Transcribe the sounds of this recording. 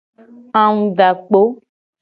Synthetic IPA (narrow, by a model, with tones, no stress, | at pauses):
ã˦ŋũ˦ɖa˨k͡po˦